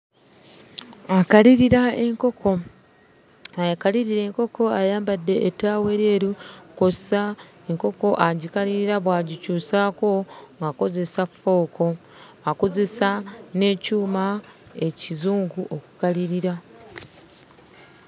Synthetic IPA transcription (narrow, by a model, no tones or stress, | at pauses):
akaliɾiɾaeŋkoko | ajakaliɾiɾe̞ːŋko̞ko̞ajaːmbadːe̞ʔːtaːwe̞ɾjeːɾukosa | eŋko̞ko̞ʔaɟikaliɾiɾaβwaːɟicuːsako̞ŋɡako̞ze̞safːo̞ːko̞ | akoze̞sane̞ːcuːmae̞cizuːŋɡuʔo̞ku̥kaliɾiɾa